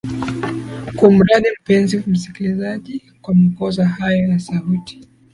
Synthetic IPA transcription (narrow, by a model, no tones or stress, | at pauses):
kum̩ɾaɗim̩pɛnzim̩si̥kilizaʄi | kwamakɔzahajɔjasauti̥